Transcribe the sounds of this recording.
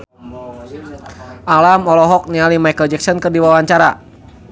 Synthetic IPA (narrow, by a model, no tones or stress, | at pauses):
ʔalamɔlɔɦɔk̚nialimajkəld͡ʒɛk̚sɔnkɨrdiwawaɲt͡ʃaɾa